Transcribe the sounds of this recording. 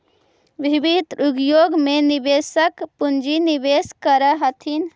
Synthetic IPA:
ʋibid̪ɾuɡjoɡmenibesəkpund͡ʒinibeskəɾəɦət̪ʰin

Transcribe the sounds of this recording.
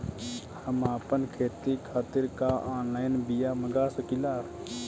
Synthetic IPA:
həmaːpənkʰeːt̪ikʰaːt̪ɪɾkaaːnlaːjɪnbijaməɡasəkilaːɾ

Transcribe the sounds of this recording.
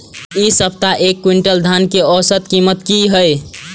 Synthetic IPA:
isəp̚t̪aʔekːwiɳʈəld̪ʱankeɔsət̪kimət̪kiɦəj

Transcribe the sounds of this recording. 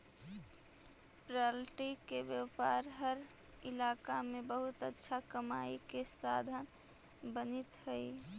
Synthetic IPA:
pɾalʈikebjəpaɾɦəɾ | ilakamebəɦut̪ətːʃʰakəma̰ikest̪ad̪ʱən | bənit̪həj

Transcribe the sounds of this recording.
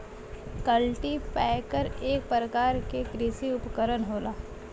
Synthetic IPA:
kəlʈipɛːkəɾeːk̚pɾəkaːɾkekɾiːsiʊpkəɾənɦoːlaː

